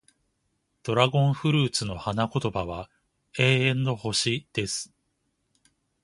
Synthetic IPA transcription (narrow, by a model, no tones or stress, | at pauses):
d̪̥o̞ɾaɡõ̞ɰ̃ɸɯ̟ɾɯ̟ːt͡sɨno̞hanako̞t̪o̞baβa | e̞ːẽ̞nːo̞ho̞ɕid̪̥e̞sɨ̥